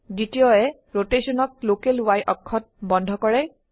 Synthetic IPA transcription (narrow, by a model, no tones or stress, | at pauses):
zitijɔɛ | ɹotesɔnɔk̚lokelwajʔɔkʰːɔt̚bɔndʱɔkɔɹɛ